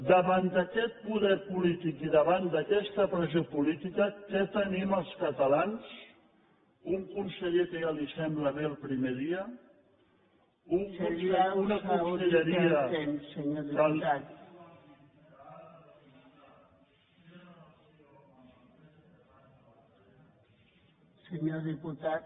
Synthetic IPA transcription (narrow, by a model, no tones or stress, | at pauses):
d̪əβand̪əkɛt̪̚puðɛɾpulit̪ikiðəβand̪əkɛst̪əpɾəzopulit̪ikəkɛt̪əniməlˠskət̪əlans | uŋkunsəʎekəʒalisɛmbləβeːlˠpɾimeðiə | uŋuunəkunsəʎəɾiət̪eməɲoðiat̪ | səɲoðiput̪a